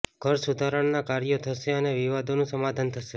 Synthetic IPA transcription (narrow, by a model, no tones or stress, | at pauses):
ɡʱəɾsud̪ʱaɾəɳnakaɾjot̪ʰəʃeəneʋiʋad̪onũsəmad̪ʱant̪ʰəʃe